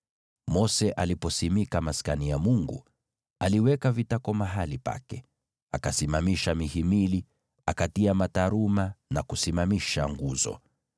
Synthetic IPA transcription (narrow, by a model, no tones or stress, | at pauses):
mɔsɛʔalipɔsimikamaskanijamuŋɡṵ | aliwɛkavitakɔmaɦalipa̰kɛ | akasimamiʃamihimili | akatiamataɾumanakusimamiʃaŋɡuzɔ̰